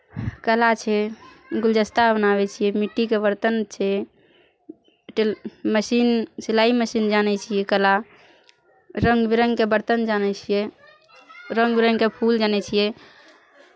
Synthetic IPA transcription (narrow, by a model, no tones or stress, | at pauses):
kəlat͡ʃʰɛ | ɡuld͡ʒəst̪abənaβɛt͡ʃʰijɛmiʈːikebəɾt̪ənt͡ʃʰɛ | ʈməsinsilaiməsind͡ʒanɛt͡ʃʰijɛkəla | ɾəŋɡbiɾəŋɡkebəɾt̪ənd͡ʒanɛt͡ʃʰijɛ | ɾəŋɡbiɾəŋɡkepʰuld͡ʒanɛt͡ʃʰijɛ